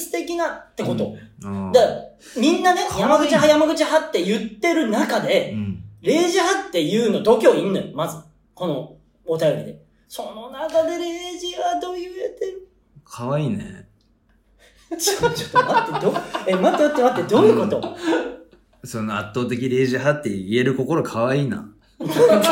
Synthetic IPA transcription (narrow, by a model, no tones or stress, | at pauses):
sɨ̥t̪e̞kʲinat̪ːe̞ko̞t̪o̞̰d̪a | mʲĩnːane̞jamaɡɯ̟t͡ɕiɦajamaɡɯ̟t͡ɕiɦat̪ːe̞jɯ̟t̪ːe̞ɾɯ̟nakad̪e̞ɾe̞ːʑiɦat̪ːe̞jɯ̟ːno̞d̪o̞kʲo̞ːĩnːojomazɨ | ko̞noː | t̪ajo̞ɾʲid̪e̞ | so̞nonakad̪e̞ɾe̞ːʑiɡad̪oːjɯ̟iet̪eɾɯ̟ | kʰaβaiːnḛ | sot͡ɕot̪ːomat̪ːe̞d̪oemat̪ːeat̪ːemat̪ːe̞d̪o̞ːnɯko̞t̪o̞ | so̞noat̪ːo̞ːt̪e̞kʲiɾe̞ːʑiɦat̪ːe̞ie̞ɾɯ̟ko̞ko̞ɾo̞kʰaβaiːna̰